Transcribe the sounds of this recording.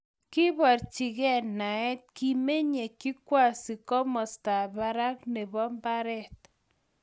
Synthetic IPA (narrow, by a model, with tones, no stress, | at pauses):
ki˦bɔ˨ɾt͡ʃi˨ɣɛ˦na˨ɛ˦t̪̚ki˦me˦ɲe˨ki˦kwa˦˨si˨kɔ˦mɔ˨sta˨ba˦ɾa˦k̚nɛ˨bɔ˦mba˦ɾɛ˦t̪